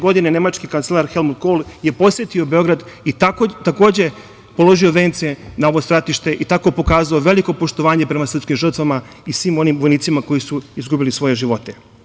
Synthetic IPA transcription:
ɡo̞d̪inene̞mat͡ʃkikant̪selˠaɾxe̞lmud̪ɡolˠje̞po̞sʋʲjet̪io̞be̞o̞ɡɾad̪iat̪ako̞ːd͡ʑe̞ | po̞lˠo̞ʒioʋeːnt̪sienao̞ʋo̞st̪ɾat̪iʃt̪e̞ʔit̪ako̞po̞kaːzaoʋe̞liko̞po̞ʃt̪o̞ʋaːɲepɾe̞masɾr̩pskimʒr̩t̪ʋama | isʋiːmo̞nimʋo̞jniːt̪simako̞jisuizɡubilisʋo̞je̞ʒiʋo̞t̪e

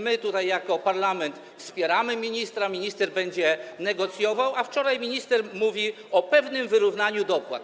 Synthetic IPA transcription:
mɘt̪ut̪ajːakɔpaɾlamɛnt̪ | fspʲjɛɾamɘmʲiɲist̪ɾamʲiɲist̪ɛɾbɛɲd͡ʑɛnɛɡɔt̪sʲjɔvawaft͡ʂɔɾajmʲiɲist̪ɛɾmuvʲi | ɔpɛvnɘmvɘɾuvnaɲud̪ɔpwa̰t̪

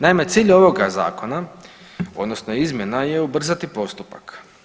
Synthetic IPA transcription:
naimet̪siːʎo̞ʋo̞ɡaza̰ːko̞na | o̞d̪no̞sno̞izmʲje̞naje̞ubr̩zat̪ipo̞st̪upak

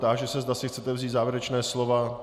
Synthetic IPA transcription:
t̪aʒɛsɛzd̪asɪxtt͡sɛt̪ɛvziːt̪zaːvjɪɾɛt͡ʃnɛːslova

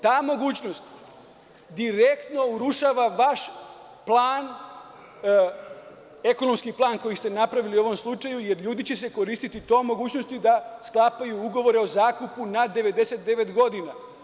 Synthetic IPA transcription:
t̪aːmo̞ɡuːt͡ɕno̞st̪ | d̪iɾekt̪no̞uɾuʃaːʋaʋaʃ | plˠaːn | e̞ko̞nomskiplˠaːnko̞jist̪e̞napɾaʋiliuo̞ʋo̞mslˠut͡ʃajuje̞ɾʎuːd̪it͡ɕe̞se̞ko̞ɾiːst̪it̪it̪o̞ːmo̞ɡuːt͡ɕno̞st̪ud̪asklˠapajuuɡo̞ʋo̞ɾe̞o̞zaːkupunad̪e̞ʋe̞d̪e̞se̞t̪̚d̪eʋe̞t̪ɡo̞d̪ina

